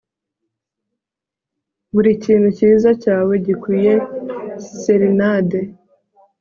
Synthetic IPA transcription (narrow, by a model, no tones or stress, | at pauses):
βuɾiciːn̤huciːzacaːwe̞ɟikwiːje̞ | seɾinade